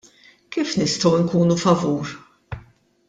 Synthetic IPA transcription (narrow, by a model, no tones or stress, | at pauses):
kiːfnɪst̪ɔwɪŋkuːnufɐvuːɾ